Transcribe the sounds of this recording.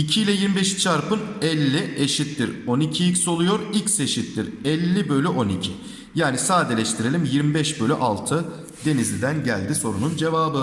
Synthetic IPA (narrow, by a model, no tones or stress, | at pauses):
icʰiilʲɛjiɾmibeʃi̥t͡ʃʰaɾpɯnɛlʲːiʔeʃit̪ːiɾo̞nicʰiicso̞lˠujo̞ɾicse̞ʃit̪ːiɾɛlʲːibø̞lʲyʔo̞nicʰi | jaːnisaːd̪elʲɛʃt̪ʰiɾe̞lʲimjiɾmibɛʃbølʲyʔalˠt̪ʰɯ | d̪e̞nizlʲid̪ænɟælʲd̪iso̞ɾunund͡ʒe̞vaːbɯ